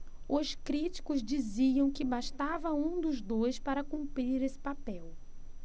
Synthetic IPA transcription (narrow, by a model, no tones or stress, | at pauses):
ʊʃkɾit͡ʃi̥kʊzd͡ʒiziɐ̃w̃kɪbaʃt̪avɐũd̪ʊzd̪ojspaɾɐkũmpɾiɾesɪ̥papɛw